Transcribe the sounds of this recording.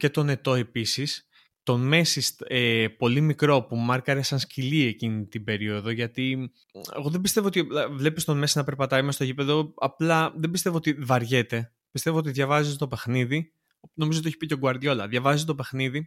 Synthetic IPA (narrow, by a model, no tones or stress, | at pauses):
ce̞t̪o̞ne̞t̪o̞e̞pisis | t̪o̞me̞sisepo̞limikɾo̞pumɐɾkɐɾesɐnscilie̞cinit̪ibe̞ɾio̞ðo̞ʝɐt̪i | ḛɣo̞ðebist̪e̞voot̪ivle̞pist̪o̞me̞sinɐpe̞ɾpɐt̪ɐjmest̪o̞ʝipe̞ðo̞ɐplɐðe̞bist̪e̞voot̪ivɐɾʝe̞t̪e̞ | pist̪e̞voot̪iðʝɐvɐzizt̪o̞pe̞xniði | no̞mizot̪içi̥pit̪oɡuɐɾðʝo̞lɐðjʝɐvɐzizt̪ope̞xniði